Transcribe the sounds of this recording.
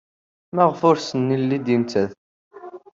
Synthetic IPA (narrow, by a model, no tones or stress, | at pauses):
mæʁfʊɾsənːilːid̪int͡sæð